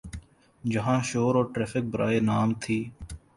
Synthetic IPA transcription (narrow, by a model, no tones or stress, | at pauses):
d͡ʒəɦãːʃoːɾoːʈɾɛːfʰɪk̚bəɾaːeːnaːmt̪ʰiː